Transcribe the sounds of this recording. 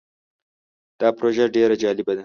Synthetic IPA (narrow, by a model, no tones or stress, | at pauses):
d̪̥ɑpɾoʒaɖeɾad͡ʒɑlɪbad̪a